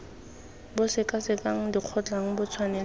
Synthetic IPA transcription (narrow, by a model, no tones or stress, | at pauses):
bʊsɪkʼasɪkʼaŋ̩diq͡χʰɔt͡ɬʼaŋ̩bʊt͡sʰwanɛ